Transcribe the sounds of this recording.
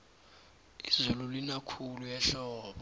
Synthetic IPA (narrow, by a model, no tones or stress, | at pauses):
izululinakʰulujɛɬɔːɓɔ